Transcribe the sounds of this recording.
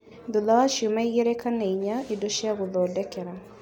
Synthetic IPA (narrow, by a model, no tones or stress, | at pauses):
ðoðawaʃiomaiɣɛɾɛkanɛiɲaedoʃiaɣoðɔːdɛkɛɾa